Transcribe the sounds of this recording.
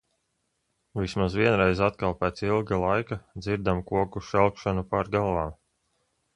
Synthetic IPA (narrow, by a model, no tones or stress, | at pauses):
vismazʋiɛnɾɛjzat̪kalˠpɛːt̪silˠɡalˠajkad̪ziɾd̪amkuɔkuʃɛlˠkʃanupaɾɡalˠaːm